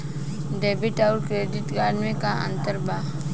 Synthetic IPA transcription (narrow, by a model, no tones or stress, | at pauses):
ɖebiʈauɾkɾeɖiʈɡaɽmẽkaʔə̰̃nt̪əɾba